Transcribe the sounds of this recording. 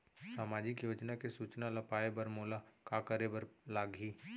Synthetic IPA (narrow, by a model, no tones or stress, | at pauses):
saːmaːd͡ʒɪkjoːd͡ʒnakesuːt͡ʃnalɐpaːebɐɾmoːlakakəɾebəɾlaːɡʱiː